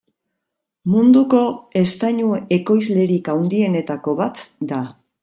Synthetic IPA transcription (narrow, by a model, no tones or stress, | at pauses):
mund̪uko̞e̞st̪aɲue̞ko̞jzle̞ɾikawnd̪ie̞ne̞t̪ako̞βat̪d̪a